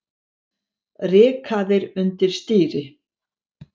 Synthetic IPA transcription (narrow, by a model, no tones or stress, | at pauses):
rɪːkʰaðɪɾʏnt̪ɪɾ̥st̪iːɾɪ